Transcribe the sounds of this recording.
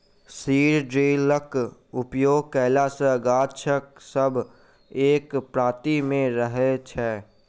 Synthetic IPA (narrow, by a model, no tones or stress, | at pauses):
siːɾɖɾeːləkʊpjoːɡ̚kɛːlasəɡaːt͡ʃʰəksəbʱ | eːkpɾaːt̪imẽɾəɦet͡ʃʰɛː